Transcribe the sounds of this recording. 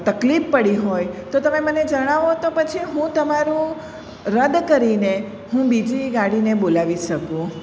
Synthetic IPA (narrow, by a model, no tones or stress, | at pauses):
t̪əklifpəɽiɦojt̪ot̪əmeməned͡ʒəɽ̃aʋot̪opət͡ʃʰiɦũt̪əmaɾũ | ɾəd̪kəɾine | hũbid͡ʒiɡaɽinebolaʋiʃəkũ